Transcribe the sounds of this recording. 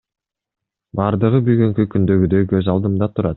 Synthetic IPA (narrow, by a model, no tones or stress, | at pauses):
bɑɾd̪ɯʁɯbyɡyŋkykynd̪ø̞ɡyd̪økø̞zɑlˠd̪ɯmd̪ɑt̪ʰuɾɑt̪